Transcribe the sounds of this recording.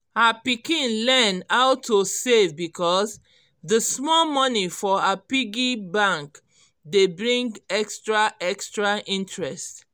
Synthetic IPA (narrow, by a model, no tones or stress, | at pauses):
hapikĩnlɛnhaʊtʰosevbikʰɔs | dəsmɔlmɔnifɔapiɡibãŋk | debɹĩŋɡɛkstɹaɛkstɹaʔĩntɹɛst